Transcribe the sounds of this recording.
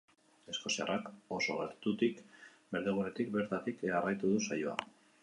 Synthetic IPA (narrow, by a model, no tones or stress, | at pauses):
e̞sko̞sia̰rako̞so̞ɣe̞ɾt̪ut̪ikbe̞ɾðeɣ̞une̞t̪ik̚be̞ɾt̪at̪ikearajt̪uðusajoa̰